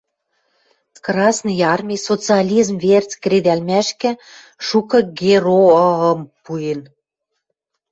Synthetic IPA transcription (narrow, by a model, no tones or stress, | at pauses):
krɑsnijɑrmʲisot͡sɨɑlʲizmvert͡sʲkred̪ælmæʃkɘ̆ | ʃukɤ̆ɡeroəmpujen